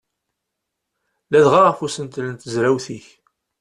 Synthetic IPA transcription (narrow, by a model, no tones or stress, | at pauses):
læðʁaʁəfusənt̪lənt̪əzɾæwθiç